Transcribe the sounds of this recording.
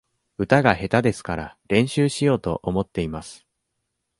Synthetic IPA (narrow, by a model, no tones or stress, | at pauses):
ɯ̟t̪aɡahe̞t̪ad̪e̞sɨ̥kaɾaɾẽ̞ɰ̃ɕɨːɕijo̞ːt̪o̞̰ʔomo̞t̪ːe̞imasɨ̥